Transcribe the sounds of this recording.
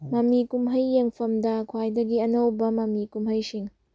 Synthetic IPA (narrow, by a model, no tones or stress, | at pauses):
mɐmnikumɦɐjːeŋpʰɐmdɐkʰwajdɐɡiɐnɐwbɐmɐmnikumɦɐjsiŋ